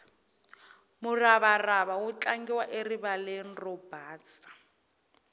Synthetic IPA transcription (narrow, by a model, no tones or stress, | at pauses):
mʊraβaraβawʊt͡ɬaŋɡɛwaʔeriβalɛn̩rɔb̥aːt͡sʼḁ